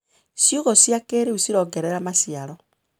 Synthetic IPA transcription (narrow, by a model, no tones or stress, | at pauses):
sjuɣɔsjakeɾeusiɾɔɡɛɾɛɾamasiaɾɔ